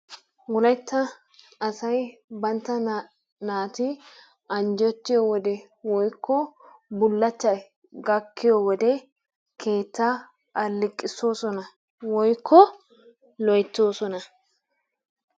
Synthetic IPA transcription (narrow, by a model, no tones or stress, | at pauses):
wʊlɐjt̪ːɐ | ɐsɐjbɐnt̪ːɐ | naːt̪ɪ | ɐnd͡ʒɔt̪ːɪjɔwɔd̪ɛ | wɔjkʰːɔbʊlːɐt͡ʃːɐ | ɡɐkːɪjɔwɔd̪ɛ | kʰe̞ːt̪ːɐ | ʔɐlːɪkʼːɪso̞ːsɔnɐ | wɔjkʰːɔ | lɔjt̪ːo̞ːsɔnɐ